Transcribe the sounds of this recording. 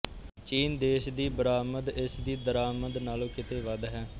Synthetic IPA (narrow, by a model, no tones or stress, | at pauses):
t͡ʃiːnd̪eːʃd̪iːbəɾaːməd̪ɪsd̪iːd̪əɾaːməd̪naːlõːkɪt̪eːʋəd̪ɦɛː